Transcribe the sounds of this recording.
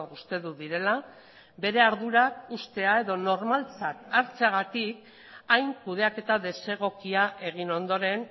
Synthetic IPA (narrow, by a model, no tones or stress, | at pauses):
ust̪e̞ðuðiɾe̞la | be̞ɾe̞aɾðuɾakust̪e̞ae̞ðo̞no̞rmalt͡sat̪aɾt͡seaɣ̞at̪ik | ajŋkuð̞e̞ake̞t̪aðe̞se̞ɣ̞o̞kiaʔe̞ɣ̞ino̞nd̪o̞ɾe̞n